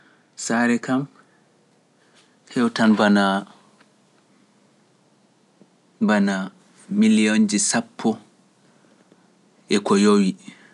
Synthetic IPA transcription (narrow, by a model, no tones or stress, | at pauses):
saɾɛkam | hɛwtanbana | bana | milijond͡ʒisapʰːɔ | ɛkɔjowi